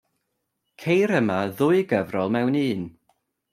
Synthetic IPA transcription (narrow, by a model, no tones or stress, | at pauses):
kʰejɾəmaðʊɨɡəvrɔlˠmɛwniːn